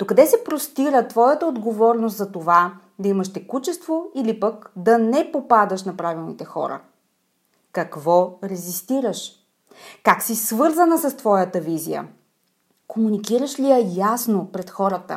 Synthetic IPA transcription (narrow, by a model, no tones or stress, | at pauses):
d̪̥okɐd̪ɛsɛpɾost̪iɾət̪vɔjət̪əod̪ɡovɔɾnost̪zɐt̪ova | d̪ɐimɐʃt̪ɛkut͡ʃɛst̪voilipəkd̪ɐnɛpopad̪əʃnɐpɾavilˠnḭt̪ɛxɔ̰ɾə̰ | kɐkvɔɾɛzist̪iɾəʃ | kaksisvɤɾzənəsɐst̪vɔjət̪əvizḭjə̰ | komunikiɾəʃlijəjasnopɾɛt̪xɔɾət̪ə̰